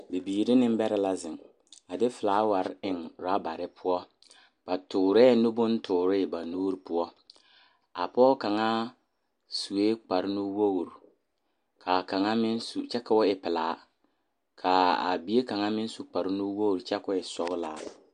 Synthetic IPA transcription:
bi˨biː˨ɾɪ˦nɪ˦m˦bɛ˦ɾɪ˦la˦zɪ˨ŋ | a˨dɪ˦fɪ˨laː˨˦wa˨ɾɪ˨ŋɾa˦ba˨ɾɪ˦pʰʊ˦ɔ˦ | b̥a˨tʊː˨ɾɛː˦nʊ˦bʊ˦n˦tʰʊː˨ɾɪ˦˨ba˨nuː˦ɾi˨pʊ˦ɔ˦ | a̰˨pɔː˦ka˨ŋa˦ | su˨weː˦k͡pa˨ɾnu˦wo˦ɣɾ | kʰa˨ka˨ŋa˦mɪ˦n˦su˨t͡ʃɛ˦ka˦ʊ˦ɪ˨pɪ˨la̰ː˨˦ | kʰa˨a̰˨bi˦e˦ka˨ŋa˦mɪ˦n˦su˨k͡pa˨ɾɪ˦nu˦wo˦ɣɾt͡ʃɛ˦kʊ˦ɪ˨sɔ˦ɣla˨

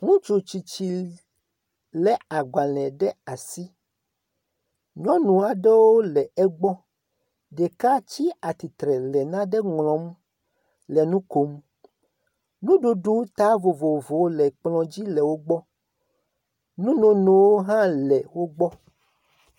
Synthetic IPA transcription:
ŋũ˦t͡ʃu˨t͡ɕi˨t͡ɕi˨ | lɛ˨a˨ɡ͡ba˨lɛ̃˨ɖɛ˦a˨si˦ | ɲɔ̃˦nũ˨a˨ɖɛ˦wo˦lɛ˨ɛ˦ɡ͡bɔ˦ | ɖɛ˨ka˦t͡ɕi˦a˨t̪i˨t̪ɾɛ˨lɛ˨nã˦ɖɛ˦ŋlɔ̃˨m˦ | lɛ˨nũ˦ko˨m | nũ˦ɖu˨ɖu˦t̪a˦vo˨vo˨vo˨wo˦lɛ˨k͡plɔ̃˨d͡ʑi˦lɛ˨wo˦ɡ͡bɔ˦ | nũ˦nõ˨nõ˨wo˦ɦã˦lɛ˨wo˦ɡ͡bɔ˦

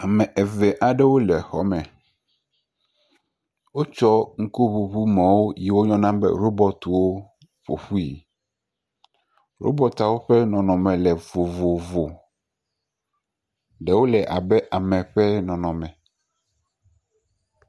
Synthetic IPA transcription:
a˨mɛ̃˨ʔɛ˨vɛ˨ʔa˨ɖɛ˦wo˦lɛ˨xɔ˦mɛ̃˨ | wo˦t͡ʃɔ˦ŋ̩˦ku˦βu˨βu˦mɛ̃˨wo˦ji˨wo˦ɲɔ̃˦nã˦bɛ̰˦ɾo˦bɔ˦t̪u˨wo˦ | ɸo̰˨ɸu˦i˨ | ɾo̰˦bɔ˦t̪a˨wo˦ɸɛ˦nɔ̃˨nɔ̃˨mɛ̃˨lɛ˨vo˨vo˨vo˨ | ɖɛ˨wo˦lɛ˨ʔa˨bɛ˦ʔa˨mɛ̃˨ɸɛ˦nɔ̃˨nɔ̃˨mɛ̃˨

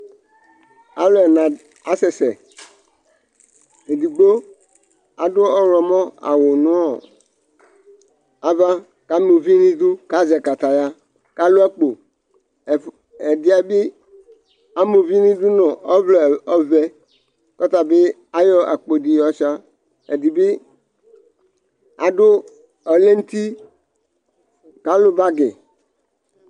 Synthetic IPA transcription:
a˨lɛ˨nã˨ | a˨sɛ˨sɛ˨ | e˨di˨ɡ͡bo˦ | a˨dʊ˦ɔ˦ɾɔ˨mɔ̃˦a̰˨wo˨nũ˦ɔ˨ | a˨va˦ | ka˦mu˨vi˦nĩ˦d̪u˦ka˦zɛ˨ka˨t̪a˨ja˦ | ka˦lo˦a˦k͡po˨ | e˨di˨˦a˨be˦ | a˦mo˨vi˦nĩ˦d̪u˦nɔ̃˨ɔ˦vlɔ˨ɔ˦vɛ˦ | kɔ˦t̪a˨be˦ | a˦jɔ˦ʔa̰˨k͡po˨di˨jɔ˦t͡ʃa˦ | e˨di˨be˦ | a˨do˦ | ɔ˨le˦n̩˦t̪i˦ | ka˦lo˦ba˦ɡe˨

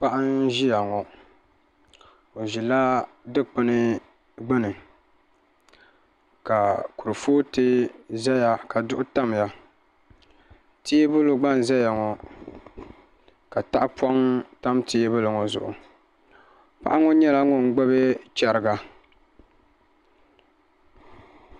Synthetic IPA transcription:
pa˦ʔa˦nʒi˦ja˨ŋɔ˨ | o˨ʒi˨la˦ | dɨ˦k͡pɨ˦nɨ˦ | ɡ͡bɨ˦nɨ˨ | ka˨ku˨ɾɨ˨foː˦tɨ˦zɛ˦ja˨ka˨dʊ˦ʔʊ˦ta˦m˨ja˨ | ti˦bɨ˦lo˦ɡ͡ba˦n˨zɛ˦ja˨ŋɔ˨ | ka˨ta˦ʔa˦pʰɔ˦ŋta˦mtʰi˦bɨ˦lɨ˨ŋɔ˨zʊ̰˨ʔʊ˨ | pa̰˦ʔa˦ŋɔ˦ɲɛ˦la˦ŋɔ˦˨ŋ̩˦ɡ͡bɛ˦be˦t͡ʃɛ˨ɾɨ˨ɡa˨

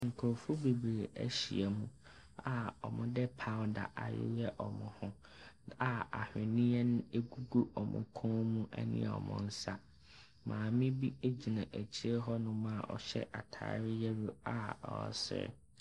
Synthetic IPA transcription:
ŋ̩˨kʰʊ˨ɾfʊ˦be˨bɾeː˨æ̰˦ɕi˨e˨mũ˨ | a˨ɔ˨mʊ̃˦dɛ˦pʰa˦wda̰˨ʔa˨jɪ̰˦jɛ˦ʔɔ˨mʊ̃˨hʊ̃˦ | a˨a˨hᶣɪ̃˨nɪ̃˦ɛ˦nʊ̃˦e˦ɡu˦ɡu˦ɔ˨mʊ̰̃˨kʰʊ̃˦mũ˦ʔɛ̰˦nɪ̰̃˦ɛ˨ɔ̰˨mʊ̃˦n̩˦sa˦ | mãː˨mɪ̃˦bi˦e˦d͡ʑi˨nã˨ʔæ˨t͡ɕʰi˦ɾɛ˦ɦɔ˦nʊ̃˦mã˦˨ʔɔ˨ɕɛ̰˦ʔa˨tʰa̰ː˨˦ɾɪ˦jɛ˦ɾu˦a˨ɔ̰˨sɪ̰˦ɾ̰

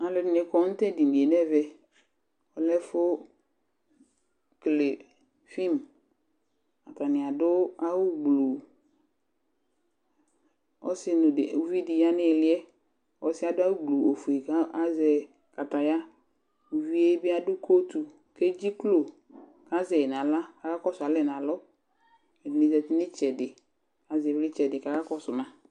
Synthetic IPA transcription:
a˨lɪ˨nɪ˨kɔ˨˦n̩˦t̪ɛ˦di˨ni˨e˨nɛ˦vɛ˦ | ɔ˨lɛ˦fʊ˦ | kle˨ | fi˦˨m | a˨ta˨nɪ̃˨a˨dʊ˦a˦wʊ˦ɡ͡blu˨ | ɔ̰˦sɪ˦nʊ˨˦vi˦dɪ˨ja˦nɪ̃˦˨lɪ˦ɛ˦ | ɔ̰˦sɪ˦a˨dʊ˦a˦wʊ˦ɡ͡blu˨o˨fu˨e˨ka˦a˦zɛ˨ | ka˨t̪a˨ja˦ | u˨vi˦e˦bɪ˦a˦dʊ˦kʰo˦t̪u˨ | ke˦d͡ʒi˦klo˨ | ka˦zɛ˨n˨ã˨la˦ka˨ka˦kɔ˦sʊ˨a˨lɛ˦n˨ã˨lɔ˦ | ɛ˨dɪ˨nɪ̃˦zɛ˨tɪ˦nɪ˦t͡ʃɛ˨dɪ˨ | a˨zɛ˨vlɪ˦t͡ʃɛ˨dɪ˨ka˨ka˦kɔ˦sʊ˨mã˨

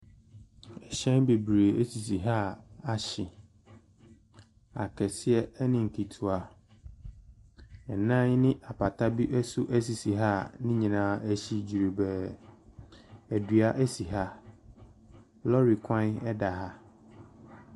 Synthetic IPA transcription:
ɛ˨ɕɛ̃˦nbe˨bɾe˨e˦si˨si˨ɦa˦a˨ɕɪ˨ | a˨kʰɛ˨sɪ˦ɛ˦ɛ˦nɪ̃˨ŋ̩˨kʰi˨tʰu˨a˨ | ɛ˨nã˦ɲ˦nɪ̃˦ʔa˨pʰa˨tʰa˦bi˦ʔɛ˦su˦ʔæ˦s̬i˨si˨ɦa˦nɪ̃˦ɲĩ˨nãː˨˦æ˦ɕi˦d͡ʑi˨ɾe˨bɛ˨ | æ˨dɥa˦ʔæ˦si˨ɦa˦ | lɔ˦ɾi˨kʷʰã˦nɛ˦da˨ɦa˦

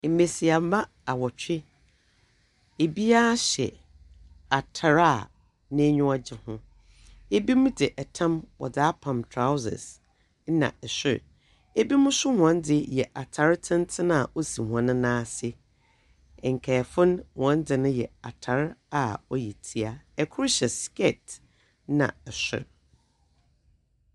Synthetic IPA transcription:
m̩˨me˨si˨a˨m̩˦ba˦ | a˨wɔ˨t͡ɕᶣɪ˦ | e˨bi˦a˦ɕɛ̰˨ | a˨tʰa˨ɾa˦˨ | nɪ̃˦ɲʊ̃˦a˦d͡ʑɪ˦hʊ̃˦ | e˦bi˦mʊ̃˦dɪ˨ʔɛ˨tʰã˦mwɔ̰˨daː˦pʰã˨mtʰɾa˦wzɪ̰˨s̩˦ | nã̰˨ɛ˨ɕɪ̰˦˨ɾ | e˦bi˦mʊ̃˦sʊ˦hʊ̃˨ã˨˦n˦dɪ˨jɛ˨ʔa˨tʰa˨ɾtʰɪ̃˦n˦tʰɪ˦ñ˦a˨ʔo˦si˨hũ˨ã˨˦nʊ̃˦nãː˦sɪ˦ | ɛ˨ŋ̩˨kʰɛː˨fʊ̃˦nhʊ̃˨ã˨˦ndɪ˨nʊ̃˦jɛ˨a˨tʰa˨ɾa˨ɔ˦jɛ˨tʰi˦a˨ɛ˨kʰʊ˦ɾɕɛ˨skɛ˦˨t | nã̰˨ɛ˨sᶣɪ̰˦ɾ

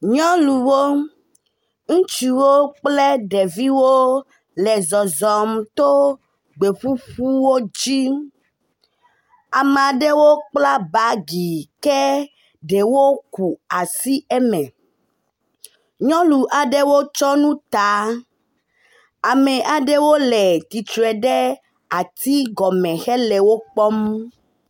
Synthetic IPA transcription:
ɲɔ̃˦lu˨wo˦ | ŋũ˦t͡ʃi˨wo˦k͡ple˦ɖe˨vi˦wo˦ | lɛ˨zɔ˨zɔ˨mt̪o˦ | ɡ͡be˨ɸu˦ɸu˦wo˦d͡ʑi˦ | a˨me˨a˨ɖe˦wo˦k͡pla˦ba˦ɡi˨kɛ˦ | ɖe˨wo˦ku˨a˨si˦ɛ˦mɛ̃˨ | ɲɔ̃˦lu˨ʔa˨ɖe˦wo˦t͡ʃɔ˦nũ˦t̪a˨˦ | a˨mɛ̃˨ʔa˨ɖe˦wo˦lɛ˨t̪i˨t͡ʃ̪ɛ˨ɖe˦ | a˨t̪i˦ɡɔ˨mɛ̃˨xɛ˦lɛ˨wo˦k͡pɔ˦m

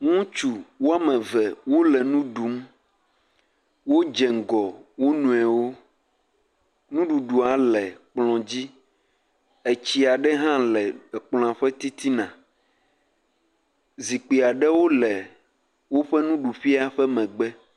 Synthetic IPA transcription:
ŋũ˦t͡ʃu˨wo˦a˦mɛ̃˨vɛ˨wo˦lɛ˨nũ˦ɖu˨˦m | wo˦d͡ʒɛ˨ŋ˨ɡɔ˨wo˦nũ˨ɛ˨wo˦ | nũ˦ɖu˨ɖu˨a˨lɛ˨k͡plɔ̃˨d͡ʑi˦ | e˨t͡ɕi˦a˨ɖɛ˦ɦã˦lɛ˨k͡plɔ̃˨a˨ɸɛ˦t̪i˦t̪i˦nã˨ | zi˨k͡pi˨a˨ɖɛ˦wo˦lɛ˨ | wo˦ɸɛ˦nũ˦ɖu˨ɸi˦a˦ɸɛ˦mɛ̃˨ɡ͡bɛ˦

